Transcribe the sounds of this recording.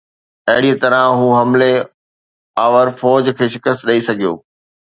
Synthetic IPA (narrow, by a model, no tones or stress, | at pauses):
ɐɦɪɽiẽt̪ɐɾə̃ɦuːɦɐmle | aːʋəɾfɔːd͡ʑkʰeːʃɪkəst̪ɗɐisɐɡʱijo̰ː